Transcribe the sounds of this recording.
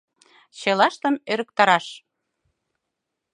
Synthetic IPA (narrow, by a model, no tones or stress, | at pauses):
t͡ɕelɑʃt̪əmøɾək̚t̪ɑɾɑʃ